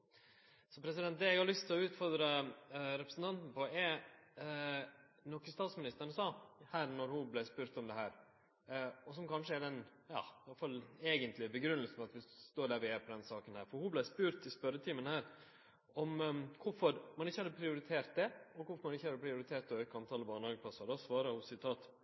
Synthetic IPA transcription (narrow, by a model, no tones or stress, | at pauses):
sɔpʰɾɛs̬ɪd̪ɛnt̪̚d̪ɛɛɡhɑɾlʏst̪ʰːɪlɔʉːt̪fɔɾd̪ɾəɾɛpɾəsn̩t̪ɑnt̪n̩pɔʔɛ | nɔkːəst̪ɑːt̪smɪnɪst̪əɾɳəsɑːhæːɾnɔɾhʊblæspʉːɾt̪ɔmd̪ɛhæːɾ | ɔsɔmkɑnʂəɛd̪ɛnjɑ̰ːɑlfɑleːɡənt̪lɪbəɡɾʉnəlsn̩fɑt̪ʋɪst̪oːɖæːɾʋɪeːpʰɔd̪ɛnsɑːkənhæːɾfɔɾhʊblæɪspʉːɾt̪ɪspœɾət̪ʰɪːmənhæːɾ | ɔmkʰʊfɔɾmɑnɪçːəhɑd̪ːəpʰɾɪʊɾɪt̪ʰeːɾt̪̚d̪ɛɔkʰʊfɔɾmɑnɪçːəhɑd̪əpʰɾɪʊɾɪt̪ʰeːɾt̪ɔhœːkəɑmt̪ʰɑːləbɑːnɑɡəpʰɑsɑd̪ɑsʋɑːɾɑhʊsɪt̪ʰɑːt̪